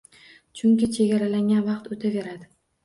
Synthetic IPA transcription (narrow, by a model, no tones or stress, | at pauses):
t͡ʃʰʊŋkʲɪt͡ʃʰe̞ɡʲaɾalaŋɡʲanvɑqt̪ot̪ʰave̞ɾad̪ɪ